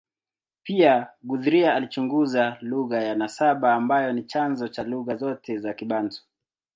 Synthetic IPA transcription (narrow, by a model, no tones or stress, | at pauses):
piaɡuðuɾiaalit͡ʃuŋɡuzaluɣajanasaɓaːmbajɔnit͡ʃanzɔt͡ʃaluɣazɔtʰɛzakiɓanzɔ̥